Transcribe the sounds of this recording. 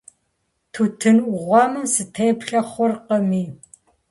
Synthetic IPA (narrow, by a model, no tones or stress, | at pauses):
tʰutʰɨnʔʊʁʷɑmɨmsɨtʰejpɬɐχʷʊrqəmiː